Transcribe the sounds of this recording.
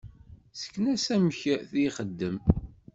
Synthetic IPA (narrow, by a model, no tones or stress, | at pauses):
sə̥kːnæsæməçθiχəd̪ːəm